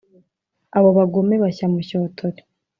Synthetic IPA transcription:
aβo̞βaɡome̞βaçamuçoːtʰoɾe̥

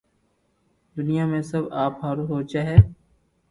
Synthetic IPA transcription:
d̪ʊnijaːmẽsəbaːpɦaːɾuːɦoːt͡ʃaɦɛː

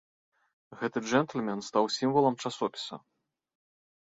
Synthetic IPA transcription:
ɣɛt̪ɨd͡ʐɛnt̪ɨlʲmʲɛnst̪awsʲimvɐlˠɐmt͡ʂasɔpʲi̥sɐ̰

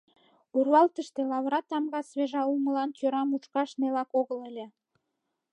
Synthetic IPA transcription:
urβɑlt̪əʃt̪elɑβɾɑt̪ːɑmɣɑsβeʒɑuməlɑnt͡ɕøɾɑmut͡ʃkɑʃnelɑkoɣələlʲĕ

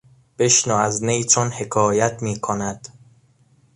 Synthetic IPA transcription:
b̥e̞ʃnoæznejt̪ʰonhe̞kʰɒːjæt̪ʰmiːkʰonæd̪̥

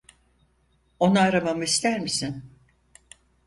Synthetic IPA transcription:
o̞naːɾamamɯist̪æɾmisin

